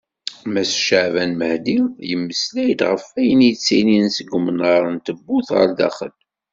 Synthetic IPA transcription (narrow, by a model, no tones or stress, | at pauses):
mæsʃəʕvænməhd̪ijəmːəslæjd̪ʁəfæjənjt͡sːininsəɡʷːmənʁəɾˤənt̪əbːuθʁə̰ɾd̪æ̰χə̰l